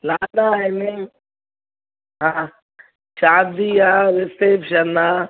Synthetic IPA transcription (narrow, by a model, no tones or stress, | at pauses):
laːdaːene | ɦã | ʃaːd̪iːaːɾesepʃəna